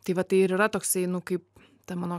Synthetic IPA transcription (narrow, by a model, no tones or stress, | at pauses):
t̪ɐɪʋɐt̪ɐɪɪɾɪɾɐt̪oːksɐɪnʊkɐɪp̚ | t̪ɐmɑːnoː